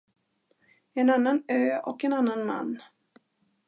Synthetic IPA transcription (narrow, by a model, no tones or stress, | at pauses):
ɛnanːanøːɔkɛnanːanma̰nː